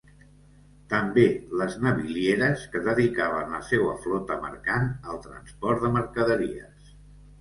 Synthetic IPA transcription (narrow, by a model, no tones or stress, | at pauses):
t̪əmbeləznəβiljeɾəskəðəðikaβ̞ənləsɛwə̰flɔt̪əmə̰ɾkanəlˠt̪ɾə̰nspɔɾt̪d̪əməɾkəðəɾiə̰s